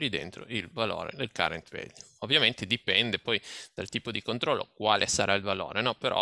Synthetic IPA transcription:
ɾid̪ḛnt̪ɾo̰ilvalo̰ːɾḛd̪elka̰ɾḛnt̪vḛlː | ovːjament̪ed̪ipɛnd̪epɔjd̪̥alt̪iːpod̪ikont̪ɾɔlːo̰kwaːlʔesaɾʔailvalo̰ːɾenɔpeɾɔ̰

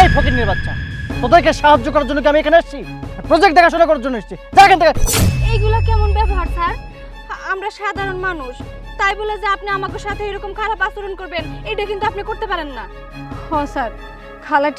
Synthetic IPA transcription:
ajpʰokiniɾbad̪ʃʰa̰ot̪aɾkeʃaɦad͡ʑːokɔɾaɾd͡ʑonːok̬iamiekʰaneaʃt͡ɕʰipɾod͡ʑekʈ̚d̪ɛkʰaʃ̬onakɔɾaɾd͡ʑonːoeʃe̥t͡ɕʰid͡ʑakʰant̪ʰekʰaejɡulakɛmonbɛboɦaɾsaɾ | amɾaʃad̪ʱaɾonmanuʃ | t̪ajboled͡ʑeapneamakeɾʃat̪ʰeejɾɔkomkʰaɾapasoɾonkoɾbenejʈakint̪uapnikoɾt̪epaɾenːa | hɔsaɾ | kʰalaʈ

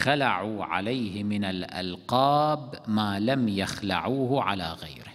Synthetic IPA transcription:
xalaʕuːʕa̰lajhɪmɪnalʔa̰lqɑːbmaːlamjaxla̰ʕuːhʕalaːɣajɾɪh

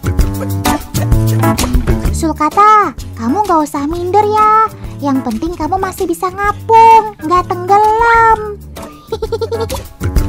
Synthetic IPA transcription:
sulkat̪akamuŋɡausaɦmindərjajaŋpənt̪ɪŋkamumasɪhbisaŋapʊŋŋɡat̪əŋɡələm

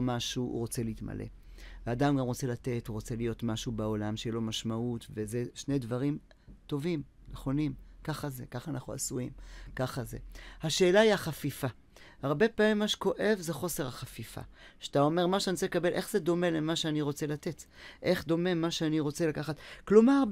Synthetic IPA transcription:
maʃuṵʁo̞t͡se̞liitma̰lʔḛ | veadamɡamʁo̞t͡se̞late̞tuʁo̞t͡se̞lijo̞tmaʃubeo̞lamʃejilo̞maʃmautve̞ze̞ʃne̞dvaʁim | to̞vimneχo̞nimkaχaze̞kaχanaχnua̰suimkaχaze̞̰haʃe̞ːlaiaχafifa | haʁbe̞paːmimːaʃe̥ko̞ʔe̞vze̞χo̞se̞ʁhaχafifa̰ | ʃat̪ao̞me̞ʁmaʃeanit͡selekabe̞lʔe̞χz̥e̞d̪o̞me̞lemaʃeaniʁo̞t͡se̞late̞t | ʔe̞χd̪o̞me̞maʃeaniʁo̞t͡se̞lakaχat̪klomaʁ

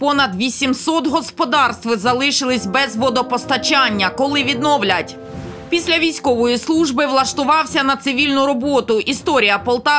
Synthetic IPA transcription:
pɔnɐd̪ʋʲisʲimsɔt̪ɦɔspɔd̪ɑrst̪ʋɪzɐlˠɪʃɪlˠɪsʲbɛzʋɔd̪ɔpɔst̪ɐt͡ʃɑnʲːɐkɔlˠɪʋʲid̪nɔʋlʲɐtʲ | pʲisʲlʲɐʋʲijsʲkɔʋɔjislˠuʒbɪʋlˠɐʃt̪ʊʋɑwsʲɐnɐt̪sɪʋʲilʲnʊɾɔbɔt̪ʊʔist̪ɔɾʲijɐpɔlˠt̪ɑ

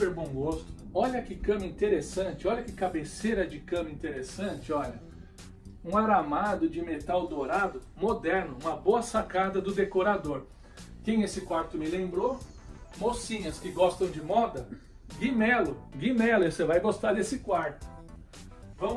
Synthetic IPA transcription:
peɾbõw̃ɡost̪ʊ̥ɔʎɐkɪkɐ̃mɐĩnt̪eɾesɐ̃nt͡ʃɪɔʎɐkɪkabeseɾɐɛd͡ʒɪkɐ̃mɐĩt̪eɾesɐ̃t͡ʃɪɔʎɐ | ũaɾamad̪ʊd͡ʒɪmet̪awd̪oɾad̪ʊ | mod̪ɛɾnʊũmɐboɐsakad̪ɐd̪ʊd̪ekoɾad̪oɾ | kẽj̃esɪkwaɾt̪ʊmɪlẽmbɾo | mosĩɲɐskɪɡɔst̪ɐ̃w̃d͡ʒɪmɔd̪ɐ | ɡimɛlʊɡimɛlʊesevajɡost̪aɾd̪esɪkwaɾt̪ʊ̥ | vɐ̃m

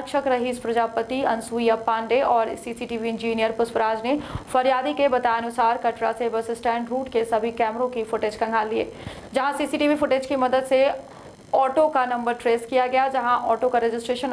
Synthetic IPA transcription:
kʃəkɾɐɦiːspɾɐd͡ʒaːpət̪iɐ̃nsuːijapãːɳɖeʔɔːɾsiːsiʈiːʋiɪ̃nd͡ʒiːnijəɾpʊspəɾaːd͡ʒnefɐɾjaːd̪ikebɐt̪aːjɐnʊsaːɾkɐʈɽasebɐsɪsʈɛ̃ːɳʈɾuːʈkesɐbʱikɛːmɾõkifʊʈeːd͡ʒkɐ̃ŋɡʱaliḛː | d͡ʒɐɦãsiːsiʈiːʋifʊʈeːd͡ʒkimɐd̪əd̪se | ɔːʈokanɐ̃mbəɾʈɾeːskijaɡɐjad͡ʒɐɦãʔɔːʈokaɾeːd͡ʒɪsʈɾeːʃən

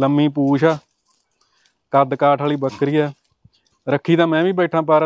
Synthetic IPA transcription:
ləmːiːpuːʃaː | kəd̪kaːʈʰaːɭiːbəkɾiːɛː | ɾəkʰːiːt̪ãːmɛ̃ːʋiːbɛːʈʰãːpaːɾ

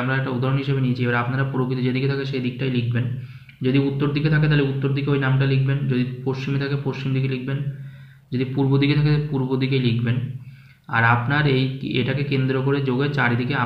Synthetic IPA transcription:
mɾaɛk̚ʈaud̪ʱaɾonɦiʃebenijet͡ɕʰiebaɾapnaɾapuɾokʰit̪od͡ʑed̪iket̪ʰakeʃed̪ik̚ʈajlikʰben | d͡ʑod̪iut̪ːoɾd̪ʱiket̪ʰaket̪aleut̪ːoɾd̪ʱik̬eojnamʈalikʰbend͡ʑod̪ipoʃt͡ɕimet̪ʰakepoʃt͡ɕimd̪ik̬elik̚ʰben | d͡ʑod̪ipuɾbod̪iket̪ʰakepuɾbod̪ikelikʰben | a̰ɾapnaɾejḛʈakekend̪ɾokoɾed͡ʑoɡet͡ɕaɾid̪ikea

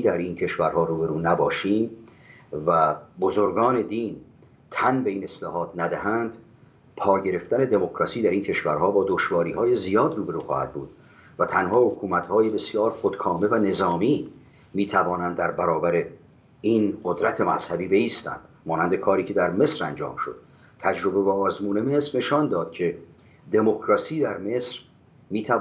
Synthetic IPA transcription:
id̪æɾiːncʰe̞ʃvæɾhɒːɾuːbe̞ɾuːnæbɒːʃiːm | væbozoɾɡɒːne̞d̪iːn | t̪ʰænbe̞iːne̞slɒːɦɒːt̪næd̪æɦænd̪̥ | pʰɒːɟe̞ɾe̞ft̪æne̞d̪e̞mokʰɾɒːsiːd̪æɾiːncʰe̞ʃvæɾhɒːbɒːd̪oʃvɒːɾiːɦɒːje̞zijɒːd̪ruːbe̞ɾuːxɒ̰ːhæ̰d̪̥̚bṵːd̪̥ | væt̪ʰænhɒːhokʰuːmæt̪hɒːjebe̞sijɒːɾxod̪̥kʰɒːmevæne̞zɒːmiː | miːt̪ʰævɒːnænd̪ːæɾbæɾɒːbæɾe | inɢod̪ɾæt̪ʰe̞mæ̰z̥hæbiːbe̞iːst̪æ̰nd̪̥ | mɒːnænd̪e̞kʰɒːɾiːcʰe̞d̪æɾme̞sɾænd͡ʒɒ̰ːmʃo̞̰d̪̥̚ | t̪ʰæd͡ʒɾo̞be̞bɒːzmuːne̞me̞sɾne̞ʃɒːnd̪ɒːd̪̥̚cʰe̞ | d̪e̞mo̞kʰɾɒːsiːd̪æɾme̞sɾ | miːt̪ʰæ

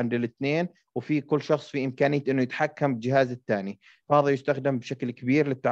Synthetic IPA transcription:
ɪnd̪ɪlɪt̪neːn | wɪfikʊlːʃɑxsˤfiʔɪmkaːnɪjːat̪ʔɪnːʊjɪt̪ħakːambɪd͡ʒɪhaːzɪt̪ːaːni | fahðˤɑljɪst̪axd̪ɪmbɪʃaklkɪbiːɾlɪt̪ːaʕ

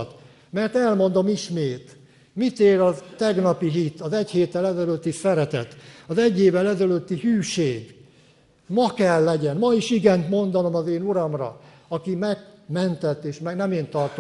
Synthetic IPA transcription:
t̪ | mɛrt̪ɛlmo̞nd̪o̞miʃmeːt̪ | mit̪eːɾɒt̪ɛɡnɒpiɦit̪ɒzɛɟheːt̪ːɛlɛzɛløt̪ːisɛɾɛt̪ɛ̰t̪ɒzɛɟːeːvɛlɛzɛløt̪ːihyːʃeːɡ | mɒkɛlːɛɟɛnmɒiʃiɡɛnt̪mo̞nd̪ɒno̞mɒzeːnuɾɒmrɒ̰ | ɒkimɛɡmɛnt̪ɛt̪ːeːʃmɛɡnɛmeːnt̪ɒrt̪o

